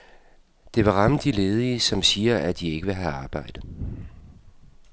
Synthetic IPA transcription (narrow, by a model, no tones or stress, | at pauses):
d̥e̝ʋɑ̈ʁɑ̈məd̥ile̝ːð̞ˠisɒ̽msiːɐʔæd̥ie̝ɡ̥əʋe̝ɦæɑ̈ːb̥ɑ̈ɪ̰d̥ð̩ˠ